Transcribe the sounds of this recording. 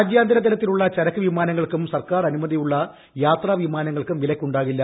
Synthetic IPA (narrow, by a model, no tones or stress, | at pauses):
d͡ʑjaːnd̪ʱɐɾɐt̪ːɐɾɐt̪ːiluɭːɐt͡ɕɐɾɐkːɨʋimaːnɐŋːɐɭkumsɐrkaːrɐnumɐðijuɭːɐ | jaːt̪raːʋimaːnɐŋːɐɭkumʋilɐkʲːuɳɖaːɣilːɐ